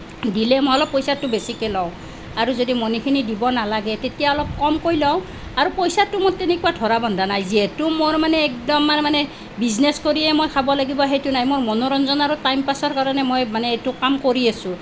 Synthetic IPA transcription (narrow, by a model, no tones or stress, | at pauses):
dilɛmojɔlɔpːojsatːʊbesikɛlɔw̃ | aɹuzodimonikʰinidibɔnalaɡɛtetijaɔlɔp̚kɔmkojlɔw̃ | aɹupojsatːumotenekuatʰɔɹabɔndʱanajziɛtumoɹmanɛːk̚dɔmːanmanɛ | bizneskoɹiɛmojkʰabɔlaɡibɔɦetunajmoɹmɔnoɹɔnzɔnaɹutajmpasɔɹkaɹɔnɛmojmanɛetʊkamkoɹiasʊ̃